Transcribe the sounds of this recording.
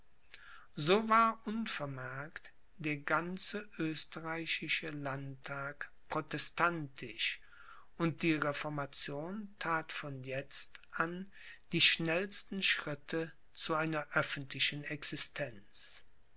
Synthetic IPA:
zoːvaːɐʔʊnfɛɐmɛɐkt | d̥eːɐɡant͡səʔøːstəʁaɪɕɪʃəlantʰːaːkpʁ̥otɛstantʰɪʃ | ʔʊnt̚d̥iːʁefɔɐmat͡sjoːntʰaːtfɔnjɛt͡stʔan | d̥iːʃnɛlstn̩ʃʁ̥ɪtʰə | t͡suaɪnɐʔœfn̩tʰlɪʃən̩ɛksɪstʰɛnt͡s

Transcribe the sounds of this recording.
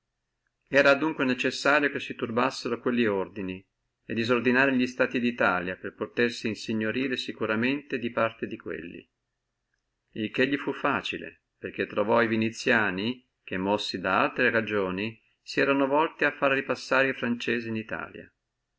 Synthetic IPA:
ɛːɾad̪uŋkwenet͡ʃesːaːɾjokesːit̪urbasːeɾokwelːiord̪ini | ed̪ːizord̪inaːɾeʎist̪aːt̪id̪it̪aːljaperpot̪ersiːnsiɲːoɾiːɾesikuɾament̪ed̪ipart̪ed̪ikwḛlːḭ | ilk̟eʎːifufːaːt͡ʃilḛ | perk̟et̪ːɾovɔivinit̪sːjaːni | k̟emːɔsːid̪aa̰lt̪ɾeɾad͡ʒoːni | siɛːɾanovɔlt̪iafːaɾɾipasːaːɾeifɾant͡ʃeːziːnit̪a̰ːlja̰

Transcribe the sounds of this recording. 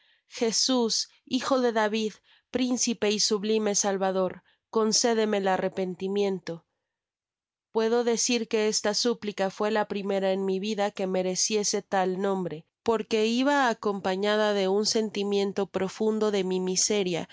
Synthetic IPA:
xe̞sus | ixo̞ðe̞ðaβið | pɾinsipe̞isuβlime̞salβaðo̞ɾ | ko̞nse̞ðe̞me̞lare̞pe̞nt̪imje̞nt̪o̞ | pwe̞ðo̞ðe̞siɾke̞e̞st̪asuplikafwe̞lapɾime̞ɾaenmiβiðake̞me̞ɾe̞sje̞se̞t̪alnõ̞mbɾe̞po̞ɾke̞iβaːko̞mpaɲaðaðe̞unse̞nt̪imjẽ̞nt̪o̞pɾo̞fund̪o̞ðe̞mimise̞ɾja̰

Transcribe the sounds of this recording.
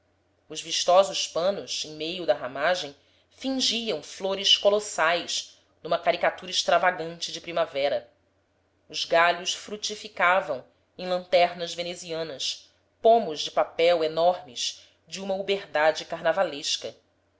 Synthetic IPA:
ʊzviʃt̪ɔzʊspɐ̃nʊsẽj̃mejʊd̪ɐɦamaʒẽj̃ | fĩŋʒiɐ̃w̃floɾɪskolosajʃ | nũmɐkaɾikat̪uɾɐɪʃt̪ɾavaɡɐ̃nt͡ʃɪd͡ʒɪpɾimavɛɾɐ | ʊzɡaʎʊsfɾut͡ʃifikavɐ̃w̃ | ẽj̃lɐ̃nt̪ɛɾnɐzveneziɐ̃nɐs | põmʊzd͡ʒɪpapɛwenɔɾmɪz | d͡ʒɪũmɐubeɾd̪ad͡ʒɪkaɾnavaleʃkɐ

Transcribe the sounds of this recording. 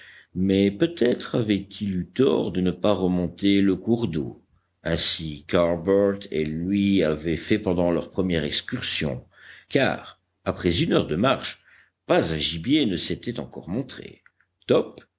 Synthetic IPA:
mɛpøt̪ɛt̪χavɛt̪ʰilyt̪ɔ̰ʁd̪ənəpaʁəmɔ̃t̪eləkuʁd̪o̰ | ɛ̃sikaʁbœʁt̪ʰḛlɥiavɛfɛpɑ̃d̪ɑ̃lœʁpχəmjɛʁɛkskʲyʁsjɔ̰̃ | ka̰ːʁ | apχɛzynœʁd̪əmaʁʃ | pazɛ̃ʒibjenəset̪ɛt̪ɑ̰̃kɔʁmɔ̃t̪χḛ | t̪ɔp

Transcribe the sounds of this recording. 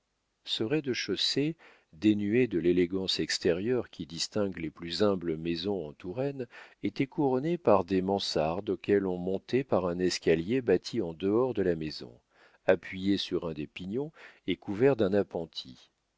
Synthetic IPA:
səʁɛd̪əʃose | d̪enyed̪əleleɡɑ̃sɛkst̪ɛʁjœʁkʲid̪ist̪ɛ̃ɡleplyzɛ̃bləmezɔ̃ɑ̃t̪uʁɛnet̪ɛkuʁɔnepaʁd̪emɑ̃saʁd̪okʲɛlɔ̃mɔ̃t̪ɛpaʁɛ̃nɛskʲaljebat̪ʰiɑ̃d̪əɔʁd̪əlamezɔ̰̃ | apɥijesyʁɛ̃d̪epiɲjɔ̃ekuvɛʁd̪ɛ̃napɑ̃t̪ʰḭ

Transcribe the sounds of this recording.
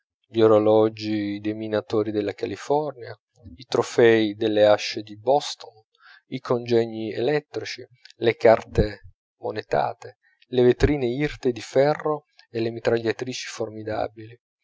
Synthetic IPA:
ʎoɾolɔd͡ʒid̪eminat̪oːɾid̪elːakalifɔrnja | it̪ɾofɛid̪elːeaʃːed̪ibɔst̪on | ikʰond͡ʒɛɲːiḛlɛt̪ːɾit͡ʃilekart̪e | monet̪a̰ːt̪e | levet̪ɾiːneirt̪ed̪ifɛrːo | elemit̪ɾaʎːat̪ɾiːt͡ʃi̥formid̪a̰ːbili

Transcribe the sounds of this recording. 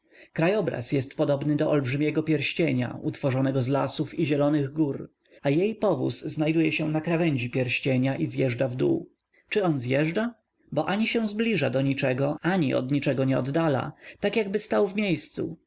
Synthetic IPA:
kɾajɔbɾa̰sjɛst̪pɔd̪ɔbnɘd̪ɔʔɔlbʐɘmʲjɛɡɔpʲjɛɾɕt͡ɕeɲa̰ut̪fɔʐɔnɛɡɔzla̰sufiʑɛlɔnɘɣɡuɾ | ajejpɔvṵsːnajd̪ujɛɕɛnakɾavɛɲd͡ʑipʲjɛɾɕt͡ɕeɲaʔizjɛʐdavd̪ṵ | t͡ʂɘɔnzjɛʐɖa | bɔʔaɲiɕɛw̃zblʲiʐad̪ɔɲit͡ʂɛɡɔaɲiʔɔ̰d̪ɲit͡ʂɛɡɔɲɛɔ̰d̪ːala̰t̪akjaɡbɘst̪awvmʲjejst̪sṵ

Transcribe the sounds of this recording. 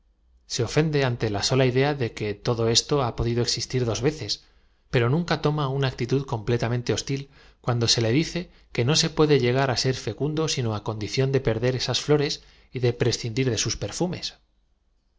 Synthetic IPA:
se̞o̞fe̞nd̪e̞ant̪e̞laso̞laiðe̞aðe̞ke̞t̪o̞ðo̞e̞st̪o̞apo̞ðiðoeksist̪iɾðo̞zβe̞θe̞s | pe̞ɾo̞nũŋkat̪o̞maunak̚t̪it̪uðko̞mple̞t̪amẽnt̪eo̞st̪il | kwand̪o̞se̞le̞ðiθe̞ | ke̞no̞se̞pwe̞ðe̞ʝe̞ɣ̞aɾase̞ɾfe̞kund̪o̞sino̞ako̞nd̪iθjo̞nd̪e̞pe̞ɾðe̞ɾe̞sasflo̞ɾe̞s | iðe̞pɾe̞sθind̪iɾðe̞suspe̞ɾfume̞s

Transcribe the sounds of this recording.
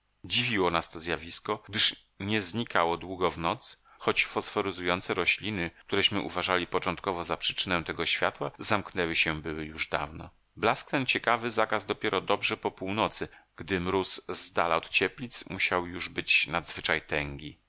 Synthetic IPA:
d͡ʑivʲiwɔnast̪ɔzjavʲiskɔɡ̥̚d̪ɘʂ | ɲɛzɲikawɔd̪wuɡɔvnɔt̪s | xɔt͡ɕfɔsfɔɾɘzujɔnt̪sɛɾɔɕlʲinɘk̚t̪uɾɛɕmɘʔṵvaʐalʲipɔt͡ʂɔnt̪̚kɔvɔzapʂɘ̥t͡ʂɘnɛ̃t̪ɛɡɔɕfʲjat̪wazamknɛwɘɕɛbɘwɘjuʐd̪a̰vnɔ̰ | blaskt̪ɛnt͡ɕɛkavɘzakazd̪ɔpʲjɛɾɔd̪ɔbʐɛpɔpuwnɔt̪sɘɡ̥d̪ɘmɾuszd̪a̰laɔt̪t͡ɕɛplʲit̪smuɕawjuʐbɘt͡ɕnad̪zvɘt͡ʂajt̪ɛŋɡʲi

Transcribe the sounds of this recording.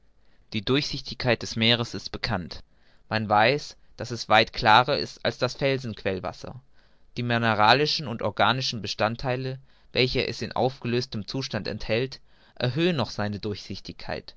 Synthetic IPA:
d̥iːdʊɐçz̥ɪçtɪçkʰːaɪt̚d̥ɛsmeːʁ̞əsɪstb̥əkʰant | manvaɪs | d̥asɛsv̥aɪtkʰl̥aːʁɐʔɪ̰sta̰lsd̥asfɛlzn̩kʰv̥ɛlva̰sɐ̰ | d̥iːmɪneʁaːlɪʃn̩ʊntɔɐɡaːnɪʃn̩bəʃtantʰːaɪlə | vɛlçəʔɛ̰sɪnʔa̰ʊfɡ̥əløːstəmt͡suːʃtantɛ̰nthɛlt | ʔɛɐɦøːənːɔχz̥aɪnədʊɐçz̥ɪçtɪçkʰa̰ɪt

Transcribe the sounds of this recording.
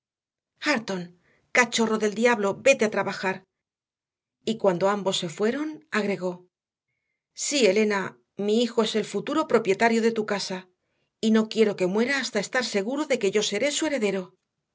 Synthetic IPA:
xaɾt̪o̞ŋ | kat͡ʃo̞ro̞ðe̞ld̪jaβlo̞be̞t̪eat̪ɾaβaxaɾ | ikwand̪o̞ambo̞sːe̞fwe̞ɾo̞naɣɾe̞ɣ̞o̞ | sie̞le̞na | miixo̞e̞se̞lfut̪uɾo̞pɾo̞pje̞t̪aɾjo̞ðe̞t̪ukasa | ino̞kje̞ɾo̞ke̞mwe̞ɾaːst̪ae̞st̪aɾse̞ɣ̞uɾoðe̞ke̞ʝo̞se̞ɾe̞sue̞ɾe̞ðe̞ɾo̞

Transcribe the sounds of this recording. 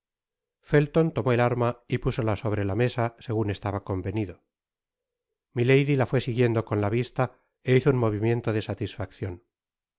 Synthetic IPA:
fe̞lt̪o̞nt̪o̞mo̞elaɾmaipusolaso̞β̞ɾe̞lame̞sase̞ɣune̞st̪aβako̞mbe̞niðo̞ | mile̞jðilafwe̞siɣjend̪oko̞nlaβist̪a | e̞iθounmo̞βimjẽ̞nt̪o̞ðe̞sat̪isfakθjo̞n

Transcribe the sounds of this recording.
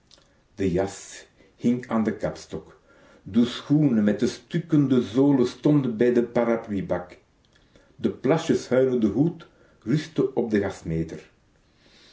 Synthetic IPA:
d̥əjɑs | hɪŋaːndəkɑpstɔk | dəsxuːnəmɛt̚dəstʏkəndəzoːləstɔndənbɛjdəpaɾaplibɑk | dəplɑʃəshœɥləndəɦut | rʏstəʔɔb̚dəɣɑsmeːtər

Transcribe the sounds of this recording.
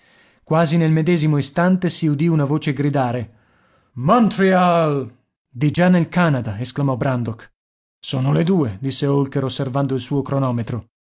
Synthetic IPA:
kwaːzinelmed̪ɛːzimoist̪ant̪esiud̪iunavoːt͡ʃeɡɾid̪aːɾe | mɔnt̪ɾial | d̪id͡ʒanːelkanad̪aesklamɔbɾand̪ok | soːnoled̪uːed̪isːeolkeɾosːervand̪oilsuːokɾonɔːmet̪ɾo

